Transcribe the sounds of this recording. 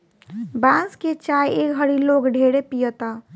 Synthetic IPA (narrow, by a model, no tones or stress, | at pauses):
bãsket͡ʃajekɦəɾilokɖʱeɽepijət̪a